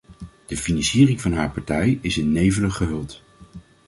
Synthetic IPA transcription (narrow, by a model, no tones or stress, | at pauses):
d̥əfinɑnsiːrɪŋvɑnɦaːɹpɑɹtɛjɪsɪnːejvələχəɦɵlˠt